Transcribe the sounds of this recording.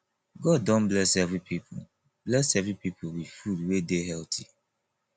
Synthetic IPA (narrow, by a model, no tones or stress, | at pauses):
ɡɔddɔ̃n̩blɛsɛvɾipipʰo̰ | blɛsɛvɹipipʰowifudwedeɦɛltʰi